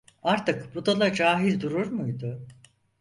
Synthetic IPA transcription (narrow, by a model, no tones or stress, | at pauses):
aɾt̪ɯkbud̪alˠad͡ʒaːɦilʲd̪uɾuɾmujd̪ʊ